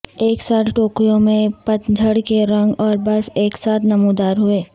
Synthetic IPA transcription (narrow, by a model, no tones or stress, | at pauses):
eːksaːt̪ʰʈoːkijõmẽpɐt̪d͡ʒʱəɽkeɾɐ̃ŋɡɔːɾbɐɾfeːksaːt̪ʰnɐmud̪aːɾɦʊeː